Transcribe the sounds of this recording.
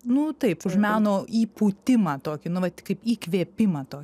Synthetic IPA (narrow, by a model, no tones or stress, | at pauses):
nʊt̪ɐɪpʊʃmʲæːnoːiːpuːt̪ʲɪmɐt̪oːkʲɪnʊʋɐt̪ʲkɐɪpiːkʋʲeɛpʲɪmɐːt̪oːkʲɪ